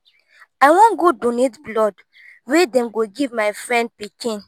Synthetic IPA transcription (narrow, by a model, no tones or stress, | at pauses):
awɔ̃nɡodonetblɔd | wedɛ̃mɡoɡivmaɪfɹɛ̃nd̚pikĩn